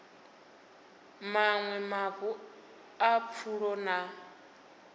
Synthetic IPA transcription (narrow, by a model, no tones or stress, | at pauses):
maŋwɛmaβu | ap̪fʰuɺɔna